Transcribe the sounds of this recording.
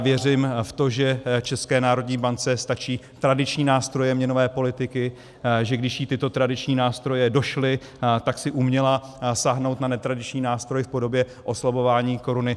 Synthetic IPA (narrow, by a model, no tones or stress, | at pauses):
vjɛrɪmft̪o̞ʒɛt͡ʃɛskɛːnaːɾo̞dɲiːbant͡sɛst̪at͡ʃiːt̪ɾadɪt͡ʃɲiːnaːst̪ɾo̞jɛmɲɛno̞vɛːpo̞lɪt̪ɪkɪ | ʒɛɡdɪʃjit̪ɪt̪o̞t̪ɾadɪt͡ʃɲiːnaːst̪ɾo̞jɛdo̞ʃlɪ | t̪aksɪʔumɲɛlasaɦno̞wt̪nanɛt̪ɾadɪt͡ʃɲiːnaːst̪ɾojɪfpo̞do̞bjɛ | ʔo̞slabo̞vaːɲiːko̞ɾunɪ